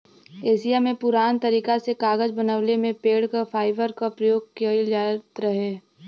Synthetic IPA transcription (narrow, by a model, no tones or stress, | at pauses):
eːsijamẽpʊɾaːnt̪ɐɾiːkasekaːɡəd͡ʒbɐnaʋlemẽpeːɽkafaːɪʋəɾkapɾəjoːɡkd͡ʒaːtt̪ɾɐɦeː